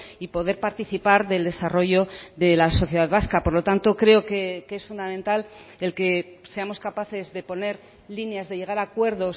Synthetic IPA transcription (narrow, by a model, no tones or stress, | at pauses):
ipo̞ðe̞ɾpaɾt̪iθipaɾðe̞ld̪e̞saro̞ʝo̞ðe̞laso̞θje̞ð̞aðβaskapo̞ɾlo̞t̪ant̪o̞kɾe̞okekesfund̪amẽnt̪alelke̞se̞amo̞skapaθe̞zðe̞po̞ne̞ɾ | linjazðe̞ʝe̞ɣaɾaːkwe̞ɾðo̞s